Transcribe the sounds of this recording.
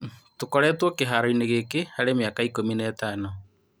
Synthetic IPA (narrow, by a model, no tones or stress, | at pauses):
tokɔɾɛːtwɔkeɦaɾɔineɣekehaɾemeakaikominɛːtaːno